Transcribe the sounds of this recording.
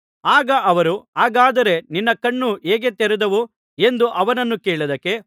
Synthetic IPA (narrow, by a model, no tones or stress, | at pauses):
aːɡɐʔɐʋɐɾuaːɡaːd̪ɐɾe̞ninːɐkɐɳːuʔeːɡet̪eɾɛd̪ɐʋu | e̞nd̪uʔɐʋɐnɐnːukeːɭud̪ɐkːe̞